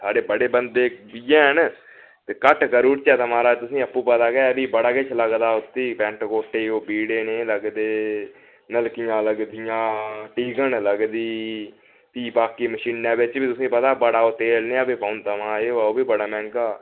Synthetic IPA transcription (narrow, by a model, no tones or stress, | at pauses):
saːɖeːbəɽeːbənd̪eːbijɛːɦən | t̪eːkəʈʰkəɾuːʈt͡ʃɛːt̪əmãːɾaːt̪ʊsĩːəpːuːpət̪aːɡɛːbiːbəɽaːket͡ʃʰləɡd̪aːʊt̪ːiːpɛ̃ːɳʈkoːʈeːoːbiːɽeːneːləɡd̪eː | nəlkɪjãːləɡd̪ɪjãːʈiːɡənləɡd̪iː | t̪iːbaːkiːməʃiːnːãːbɪt͡ʃbiːt̪ʊsĩːpət̪aːbəɽaːoːt̪eːlneːabiːpaːʊnt̪əmãːeːaːoːbiːbəɽaːmɛ̃ːŋkaː